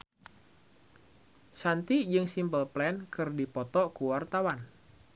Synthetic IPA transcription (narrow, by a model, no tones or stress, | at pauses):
sant̪id͡ʒɨŋsimbəlplɛnkɨrdipɔt̪ɔkuwart̪awan